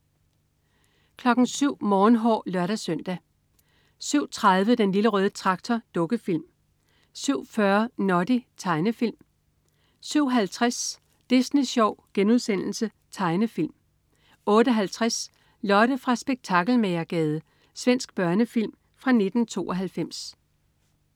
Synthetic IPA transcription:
kʰlɒ̽ɡ̥n̩syʊ̰mɒːnɦɒ̰ːlɶɐɾ̥æsœn̰d̥æ | syʊ̰t͡sʰʁɑðˠʋəd̥enliləʁœːð̞ˠət͡sʰʁɑ̈ɡ̥̚t͡sʰɒd̥ɔ̽ɡ̥əfil̰m | syʊ̰fɶɐnɒd̥it͡sʰɑ̈ɪnəfil̰m | syʊ̰ɦælt͡sʰʁas | d̥isneɕɒʊ̰ɡ̥enuðˠsen̰l̩sə | t͡sʰɑ̈ɪnəfil̰m | ɔ̽ːɾ̥əɦælt͡sʰʁas | lɒ̽ɾ̥əfʁɑ̈sb̥e̝ɡ̥̚t͡sʰɑ̈ɡ̥l̩meɪɐɡ̥ɛːð̞ˠə | sʋen̰sɡ̥̚b̥ɶɐnəfil̰m | fʁɑ̈ne̝d̥n̩t͡sʰo̝̰ːɒɦælfem̰s

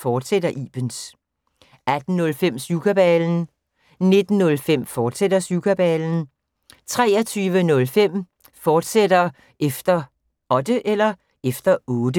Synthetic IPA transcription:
fɒːd̥sedɐʔḭːb̥əns | æd̥n̩nɔ̽lfem̰sukʰæb̥ɛln̩ | ne̝d̥n̩nɔ̽lfem̰fɒːd̥sed̥ɐsjukʰæb̥ɛln̩ | t͡sʰʁɛːɐt͡sʰyːʋənɔ̽lfem̰ | fɒːd̥sed̥ɐ | ʔefd̥ɐ | ɒ̽d̥əʔelɐ | efd̥ɐɔ̽ːd̥ə

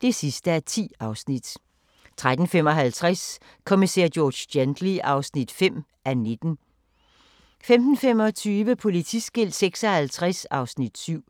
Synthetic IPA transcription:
d̥e̝sisd̥əæɐt͡sʰḭːɑ̈ʊsnid̥ | t͡sʰʁad̥n̩femɒ̽ɦælt͡sʰʁas | kʰomisḛɐ̰̥jɔːd̥end̥liʔɑ̈ʊsnid̥fem̰ | ʔæne̝d̥n̩ | femd̥n̩fem̰ɒ̽t͡sʰyːʋəpʰo̝lit͡sʰisɡ̥e̝l̰̥seɡ̥sɒ̽hælt͡sʰʁasɑ̈ʊsnid̥syʊ̰

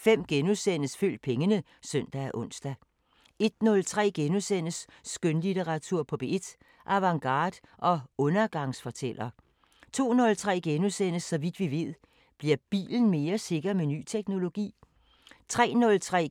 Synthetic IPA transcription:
fem̰ɡ̥enusen̰əsføl̰d̥̚pʰeŋənə | sœn̰d̥ææʔɔ̽n̰sd̥æ | e̝d̥nɔ̽lt͡sʰʁɛ̰ːɡ̥enusen̰əsː | ɡ̥ønlit͡seʁɑ̈t͡sʰuɐ̰pʰɒ̽b̥e̝e̝d̥ | ʔæʋɑ̈ŋɡ̥ɑ̰̈ːd̥ | ʔɒ̽ɔ̽nɐɡ̥ɑ̈ŋsfɒ̽t͡sʰel̰ɐ | t͡sʰo̝̰ːnɔ̽lt͡sʰʁɛ̰ːɡ̥enusen̰əsːɒ̽ʋid̥ʋiʋe̝ð̰ˠ | b̥liɐb̥ḭːln̩me̝ːɐse̝ɡ̥ɐmeny̰ːt͡sʰeɡ̥no̝lo̝ɡ̥ḭː | t͡sʰʁɛ̰ːnɔ̽lt͡sʰʁɛ̰ː

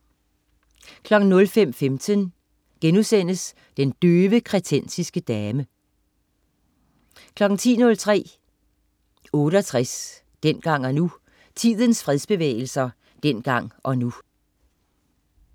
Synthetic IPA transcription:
kʰlɒ̽ɡ̥n̩nɔ̽lfem̰femt͡sʰən | ɡ̥enusen̰əs | d̥end̥øːʋəkʰʁɛt͡sʰen̰sisɡ̥əd̥ɛːmə | kʰlɒ̽ɡ̥n̩t͡sʰḭːnɔ̽lt͡sʰʁɛ̰ː | ɔ̽ːɾəɒt͡sʰʁas | d̥en̰ɡ̥ɑ̈ŋ̰ɒnu | t͡sʰiðˠənsfʁɛðˠsb̥e̝ʋḛːɪl̩sɐ | d̥en̰ɡ̥ɑ̈ŋ̰ʔɒ̽nu

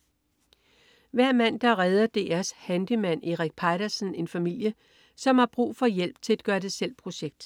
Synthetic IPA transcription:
ʋæɐ̰mæn̰d̥ɑ̈ʁɛð̞ˠɐd̥e̝ːæɐshænd̥imæn̰e̝ʁaɡ̥̚pʰɑɪɾ̥ɐsn̩e̝nfæmil̰jə | sɒ̽mhɑ̈b̥ʁṵːfɒ̽jel̰b̥̚t͡sʰe̝læd̥̚ɡ̥ɶːɐd̥e̝sel̰pʰʁo̝ɕeɡ̥̚d̥

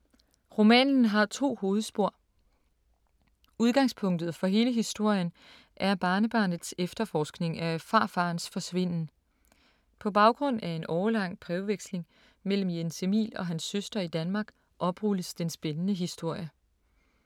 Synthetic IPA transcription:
ʁo̝mɛ̰ːnn̩ɦɑ̈t͡sʰo̝̰ːho̝ːð̞̩ˠsb̥o̝ɐ̰ | uð̞ˠɡ̥ɑ̈ŋspʰɔ̽ŋ̰d̥ð̞̩ˠfɒ̽ɦe̝ːləɦisd̥o̝ɐ̰jən | ʔæɐb̥ɑ̈ːnəb̥ɑ̈ːnð̩ˠsefd̥ɐfɒːsɡ̥ne̝ŋæfɑ̈ːfɑ̈ːnsfɒ̽sʋe̝n̰n̩ | pʰɒ̽b̥ɑ̈ʊɡ̥ʁɔ̽n̰æe̝nɒʊɐlɑ̈ŋ̰pʰʁɛʊʋeɡ̥sle̝ŋ | mel̰m̩jense̝mḭːlɒ̽ɦænsːøsd̥ɐid̥ænmɑ̈ːɡ̥ | ʔɒ̽b̥ʁuləsd̥ensb̥enənəɦisd̥o̝ɐ̰jə

